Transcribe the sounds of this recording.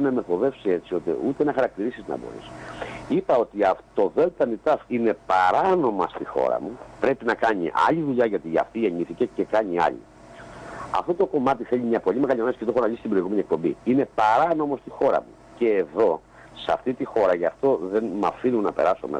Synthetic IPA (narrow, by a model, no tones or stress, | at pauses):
nɐme̞θo̞ðe̞fsie̞t͡sio̞t̪ḭut̪enɐxɐɾɐk̚t̪iɾisiznɐ̰bo̰ɾḭsipɐo̞t̪iɐft̪o̞ve̞lt̪ɐnit̪ɐfine̞pɐɾɐno̞mɐst̪ixo̞̰ɾɐ̰mupɾe̞pinɐkɐɲḭʔɐ̰ʎiðuʎɐʝɐt̪iɐ̰ft̪ieɲiθicece̞kɐɲiɐ̰ʎḭ | ɐ̰ft̪o̞t̪o̞ko̞mɐt̪iθe̞ʎimɲɐpo̞ʎimeɣɐʎimɐsi̥cet̪oxonɐʎist̪ibɾo̞iɣume̞niek̚po̞mbiine̞pɐɾɐno̞mo̞st̪ixo̞ɾɐ̰mu | ce̞ːðo̞ | sɐ̰ft̪it̪ixo̞ɾɐʝɐft̪o̞ðe̞nmɐfinunɐpe̞̰ɾɐso̞̰mḛ